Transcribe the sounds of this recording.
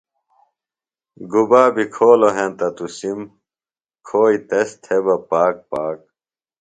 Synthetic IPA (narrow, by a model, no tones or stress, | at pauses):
ɡubaːbikʰoːloɦẽnt̪ɐt̪usim | kʰoːit̪est̪ʰebɐpaːk̚paːk̚